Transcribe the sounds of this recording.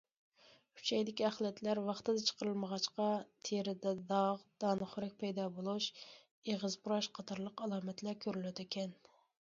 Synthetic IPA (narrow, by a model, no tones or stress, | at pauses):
kʰy̥t͡ʃʰɛjd̪ɪkʲiæχlˠɛt̪ʰlæɾwɑχt̪ɨd̪ɛt͡ʃʰə̥qəɾɨlˠməʁɑt͡ʃqɑt̪ʰeɾɪd̪ɛd̪ɑʁd̪̥ɑːnɨχʊɾɪk̚ʲpʰɛjd̪ɑbolˠuʃ | eʁəzbuɾɑʃqʰɑt̪ʰɑɾlˠəqɑlˠɑːmɛt̪ʰlæɾkʲʰøɾyløt̪ʰɪkʲʰɛn